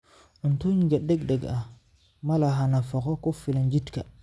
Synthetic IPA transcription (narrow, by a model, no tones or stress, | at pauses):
ʔɔntoɲɡɛɗːɛɡdɛɡa | malaɦanafɔkɔkɔfiland͡ʒitka̰